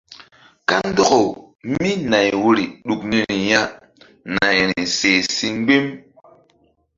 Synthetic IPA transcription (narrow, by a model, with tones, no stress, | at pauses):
ka˦n˦do˦ko˨ | mi˦na˨jwu˦ɾi˨ɗu˨kni˦ni˨ja˦ | na˨jɾi˨se˨si˦ŋ˦ɡ͡be˦m